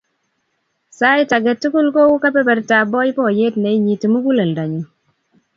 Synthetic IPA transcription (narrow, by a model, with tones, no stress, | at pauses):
sa˦ji˦ta˨ɡɛ˨tːu˦ku˦lko˦wu˦ka˦pɛ˦pɛ˨ɾta˨bɔ˦jpɔ˦je˦tne˨i˦ɲi˨ti˨mu˦ku˦le˨lda˨ɲu˨